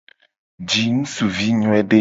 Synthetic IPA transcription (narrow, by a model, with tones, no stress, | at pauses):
d͡ʒi˨ŋũ˦su˨vi˦ɲɔ̃˦ɛ˦ɖe˦